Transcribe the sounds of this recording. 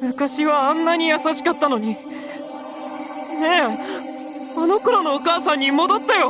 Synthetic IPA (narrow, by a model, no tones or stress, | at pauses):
mɯ̟kaɕiβaãnːaɲ̟ijasaɕi̥kat̪ːano̞ɲ̟i | ne̞ | ano̞koɾano̞ːkaːsãɲ̟ːimod̪at̪ːajo̞